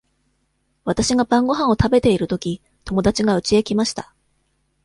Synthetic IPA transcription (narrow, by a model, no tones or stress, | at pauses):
β̞at̪aɕiɡabãŋɡo̞ɦãɰ̃o̞t̪abe̞t̪e̞iɾɯ̟t̪o̞kʲi | t̪o̞mo̞d̪at͡ɕiɡaɯ̟t͡ɕie̞kʲimaɕi̥t̪ḁ